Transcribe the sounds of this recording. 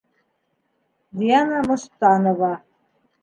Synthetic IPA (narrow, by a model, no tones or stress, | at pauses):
d̪ʲiɑnɑmɤ̆ʃt̪ɑnoβɑ